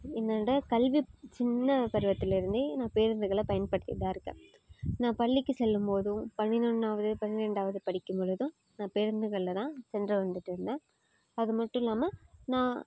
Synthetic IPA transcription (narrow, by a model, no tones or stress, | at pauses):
ɪnːɐnːɽɐkɐlʋit͡ʃɪnːɐpɐɾɯʋɐt̪ːɪlɪɾɯnd̪ɯnãːpeːɾɐnd̪ɯɣɐɭɐpɐjɐnpɐɽɯt̪ːɯ̰ðaːɪɾɯkːɯ̃ | nãːpɐɭːɪkːɯsɛlːɯmpoːðɯ̃pɐnːɪɾɔnaːʋɐðɯpɐnːɪɾɛɳɖaːʋɐðɯpɐɽɪkːɯmpɔɭɯðɯ̃ | naːpeːɾɐnd̪ɯɣɐɭlɐt̪ãːsɛndrɐʋɐnd̪ɯʈːɪɾɯnd̪ẽː | ɐðɯmɐʈːʊ̃ɪlːaːmɐnãː